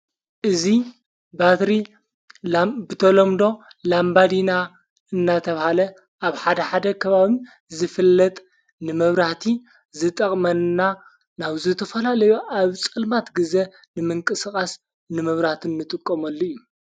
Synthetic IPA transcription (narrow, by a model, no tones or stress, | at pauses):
ʔɨzi | bat̪ɾi | bɨt̪ʰɐlomd̪o̞ | lambad̪ina | ɨnːat̪ʰɐβahalɐ | ʔaβħad̪ɐħad̪ɐkʰɐβaβi | zɨfɨlːɐt̪ʼ | nɨmɐβɾaht̪ʰi | zɨt̪ʼɐχʼmɐnna | naβzɨt̪ʰɐfɐlalɐjuʔaβt͡sʼɨlmat̪ɡɨze | nɨmɨŋkʼɨskʼas | nɨmɐβɾaht̪ʰɨnːɨt̪ʼɨkʼːomɐlːojːu